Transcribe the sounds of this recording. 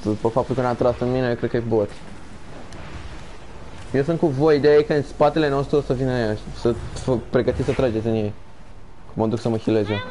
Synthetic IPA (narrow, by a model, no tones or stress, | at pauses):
upefap̚t̪ulkənat̪ɾasɨnminejekɾekəibot̪ | jes̬unt̪kuvo̞jid̪eaikəɨnspat̪e̞le̞nost̪ɾusəvinəajaʃisəfəpɾeɡət̪it̪ʲsət̪ɾad͡ʒet̪sʲɨnjej | kuməd̪uksəməxile̞ze